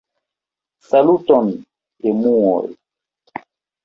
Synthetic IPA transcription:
salutɔn | emuɔ̰j

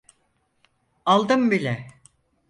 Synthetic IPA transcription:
alˠd̪ɯmbilʲɛ

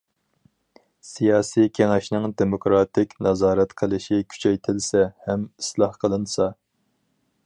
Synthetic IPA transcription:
sijɑːsijkʲʰeŋɛʃnɪŋd̪emokɾɑt̪ʰɪkʲnɑzɑːɾɛt̪qʰəlˠɪʃɪkʲʰy̥t͡ʃʰɛjt̪ʰɪlsɛhɛmislˠɑhqʰəlˠɨnsɑ

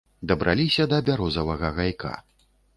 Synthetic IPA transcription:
d̪ɐbɾʔa̰lʲisʲɐd̪ɐbʲaɾɔzɐvɐɣɐɣajkʰa̰

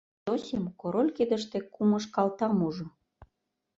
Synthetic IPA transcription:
osʲemkoɾolʲked̪ə̆ʃt̪ĕkumə̆ʃkɑlt̪ɑmuʒŏ

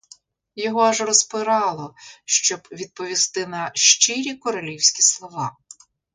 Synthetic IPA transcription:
jɔɦɔaʒrɔspɪɾɑlˠɔʃt͡ʃɔbʋʲid̪̚pɔʋʲist̪ɪnɐʃt͡ʃɪɾʲikɔɾɐlʲiwsʲkʲislˠɔʋɑ

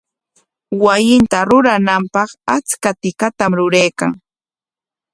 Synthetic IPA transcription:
wajɪnt̪aɾʊɾanampɑχat͡skat̪ɪkat̪amɾʊɾajka̰ŋ

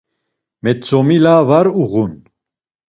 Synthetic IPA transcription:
mɛt̪t͡sɔmilavaɾuɣun

